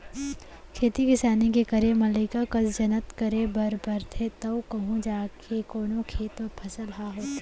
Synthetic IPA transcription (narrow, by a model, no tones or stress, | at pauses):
kʰeːt̪ikɪsaːnikekɐɾemɐləɪkakɐsd͡ʒɐnət̪kɐɾebʱɐɾbʱɐɾt̪ʰet̪ɐʊkɐɦũd͡ʒaːkʰekoːnokʰeːt̪opʰɐsəlɦaɦoːt̪ː